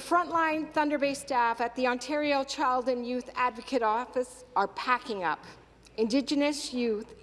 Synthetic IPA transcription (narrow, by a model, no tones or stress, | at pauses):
ðəfɹʌ̃nʔlãɪ̃nθʌ̃ndə˞beɪstæfɨt̪̚ðiɑ̃ntʰɛɹioʊt͡ʃʰaɪlˠdɨ̃njʉθædvɨkʰɨɾɔfɨsə˞pʰækɪ̃ŋʌ̰p | ɨ̃ndɪd͡ʒɨnɨsjʉθ